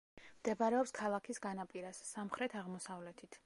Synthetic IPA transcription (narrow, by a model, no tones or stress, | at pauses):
md̪̥ɛbaɾɛɔpskʰalˠakʰisɡanapʼiɾasːamχɾɛt̪ʰaʁmɔsavlɛt̪ʰit̪ʰ